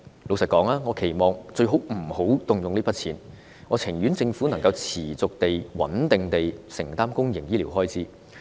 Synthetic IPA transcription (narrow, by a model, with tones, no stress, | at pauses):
lo˨˧wsɐ˨t̚kːɔː˨˥ŋaː˥ŋɔː˨˧kʰe˨˩jmɔː˨ŋt͡sɵ˧ɥɦo˨˥wm̩˨˩ho˨˥wt̪ʊ˨ŋjʊ˨ŋli˥pɐ˥t̚t͡sʰiː˨˩n | ŋɔː˨˧t͡sʰɪ˨˩ŋjy˨˥nt͡sɪ˧ŋfu˨˥nɐ˨˩ŋkɐ˧wt͡sʰiː˨˩t͡sʊ˨k̚t̪e˨jwɐ̰˨˥nt̪ɪ˨ŋt̪e˨jsɪ˨˩ŋt̪aː˥mkʊ˥ŋjɪ˨˩ŋjiː˥li˨˩wɦɔː˥jt͡siː˨˥